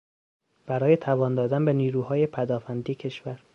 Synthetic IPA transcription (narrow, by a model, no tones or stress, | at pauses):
b̥æɾɒːjet̪ʰævɒːnd̪ɒːd̪ænbeniːɾuːhɒːje̞pʰæd̪ɒːfænd̪iːecʰe̞ʃvæɾ